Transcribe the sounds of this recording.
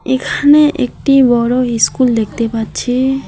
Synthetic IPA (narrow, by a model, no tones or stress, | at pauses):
ekʰaneʔḛk̚ʈibɔɽoiskuld̪ek̚ʰt̪epaɾt͡ɕʰi